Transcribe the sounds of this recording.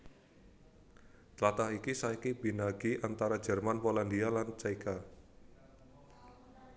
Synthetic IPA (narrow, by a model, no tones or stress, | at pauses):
t͡ʃlat̪ahikisaikibinaɡiʔant̪aɾad͡ʒɛ̤rmanpolandialant͡ʃaika